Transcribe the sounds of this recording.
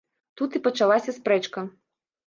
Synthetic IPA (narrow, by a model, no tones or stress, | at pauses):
t̪ut̪ipɐt͡ʂalˠasʲɐspɾɛt͡ʂkɐ